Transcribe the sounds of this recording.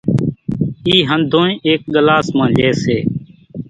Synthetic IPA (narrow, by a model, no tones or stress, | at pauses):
iːɦənd̪ʱõːĩːʔeːk̚ɠəlaːsmãːleːseː